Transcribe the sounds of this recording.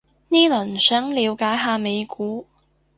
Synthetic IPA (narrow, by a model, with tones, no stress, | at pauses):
niː˥lɐ˨˩nsœː˨˥ŋliː˨˧wkaː˨˥jɦaː˧me˨˧jkuː˨˥